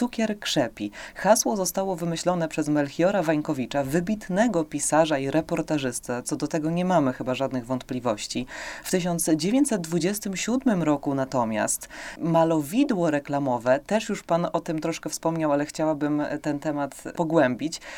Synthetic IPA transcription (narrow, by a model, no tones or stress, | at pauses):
ukʲɛɾkʂɛpʲixaswɔzɔst̪awɔvɘmɘɕlɔnɛpʂɛzmɛlxʲjɔɾavaɲkɔvʲit͡ʂavɘbʲit̪nɛɡɔpʲisaʐaiɾɛpɔɾt̪aʐɘst̪sat̪sɔd̪ɔt̪ɛɡɔɲɛmamɘxɘbaʐad̪nɘɣvɔnt̪̚plʲivɔɕt͡ɕift̪ɘɕ̬ɔnd̪sd͡ʑevʲjeɲt͡ɕ̪ʲsɛt̪̚d̪vud͡ʑɛst̪ɘmɕud̪mɘmɾɔkunat̪ɔmʲja̰st̪malɔvʲid̪wɔɾɛklamɔvɛt̪ɛʂjuʂpanɔt̪ɘmt̪ɾɔʂkɛfspɔmɲawalɛxt͡ɕawabɘmt̪ɛnt̪ɛmat̪pɔɡwɛmbʲit͡ɕ